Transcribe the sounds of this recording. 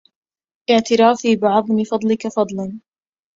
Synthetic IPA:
ʔɪʕt̪ɪɾaːfiːbɪʕɑðˤmɪfɑd̪ˤlɪkafɑd̪ˤlɑn

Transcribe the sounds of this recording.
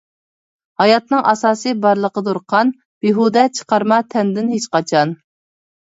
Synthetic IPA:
hɑjɑt̪̚nɨŋʔɑsɑːsɨbɑɾlˠəqəd̪uɾqʰɑn | beɦud̪ɛt͡ʃʰə̥qɑɾmɑt̪ʰɛnd̪ɪnɦet͡ʃqɑt͡ʃʰɑn

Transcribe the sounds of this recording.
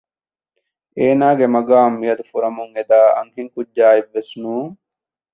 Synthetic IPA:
eːnaːɡemɐɡaːmːijɐd̪ufuɾɐmuŋed̪aːɐ̰ŋɦiŋkuɟːaːibːesnũː

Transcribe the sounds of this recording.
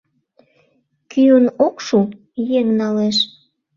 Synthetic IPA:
kyənokʃu | jeŋnɑleʃ

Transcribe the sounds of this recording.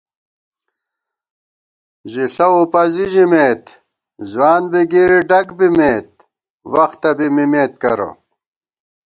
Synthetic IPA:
ʑiɬɐupɐziʑimeːt̪ | zwaːnbiɡiɾiɖɐkbimeːt̪̚ | wɐxt̪ɐbimimeːt̪̚kɐɾo̰

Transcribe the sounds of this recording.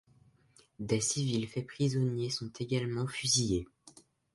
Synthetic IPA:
d̪esivilfɛpχizɔnjesɔ̃t̪ʰeɡalmɑ̃fyzije

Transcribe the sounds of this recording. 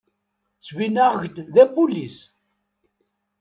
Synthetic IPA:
t͡sːvinaʁʝd̪ðæpulis

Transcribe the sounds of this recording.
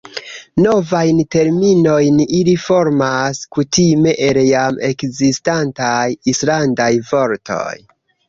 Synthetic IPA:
no̞vajnte̞ɾmino̞jnilifo̞ɾmaskutime̞ʔeɾjame̞kzistantajislandajvo̞ɾtʰo̞̰j

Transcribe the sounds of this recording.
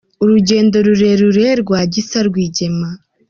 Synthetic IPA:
uɾuɟe̞ːndo̞ɾuɾe̞ɾuɾeɾɡwaːɟisaɾɡwiːɟe̞ma

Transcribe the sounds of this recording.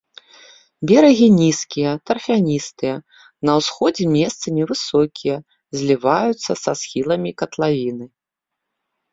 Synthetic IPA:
bʲɛɾɐɣʲinʲiskʲijɐt̪ɐrfʲanʲist̪ɨjɐ | nɐwsxɔd͡zʲɛmʲɛst̪sɐmʲivɨsɔkʲijɐ | zʲlʲivajut̪sːɐsasxʲilˠɐmʲikɐt̪lˠavʲinɨ

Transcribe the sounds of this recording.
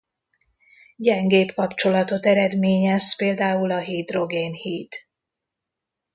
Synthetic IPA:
ɟɛŋɡeːpkɒpt͡ʃo̞lɒt̪o̞t̪ɛɾɛd̪meːɲɛspeːld̪aːulɒɦiːd̪ro̞ɡeːnhiːt̪

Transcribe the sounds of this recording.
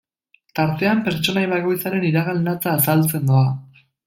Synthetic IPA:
t̪aɾt̪e̞ampe̞ɾt͡so̞najβako̞jt͡saɾe̞niɾaɣalnat͡saːsalt͡se̞nd̪oa

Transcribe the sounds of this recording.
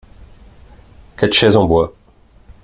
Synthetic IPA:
kɛt̪ʃɛzɑ̃bwa

